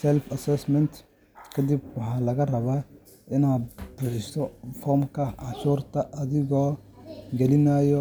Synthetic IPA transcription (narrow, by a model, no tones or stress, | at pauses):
sɛlfɐsɛsmɛnt̪ | kʰɐd̪ibwɑħɑːlɐɣɐrɐβaː | ɪnaːd̪̚bʊħɪst̪ɔfɔːrmkʰɐʕɑt͡ʃuːrt̪ʰɐʔɐðɪɣɔː | ɡɛlɪnaːjɔ